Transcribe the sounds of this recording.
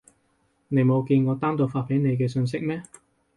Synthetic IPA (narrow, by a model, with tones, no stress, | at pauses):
ne˨˧jmo˨˧wkiː˧nŋɔː˨˧t̪aː˥mt̪o˧wfaː˧t̚pʰe˨˥jne˨˧jk̬ɛː˧sɵ˧ns̬ɪ˥k̚mɛː˥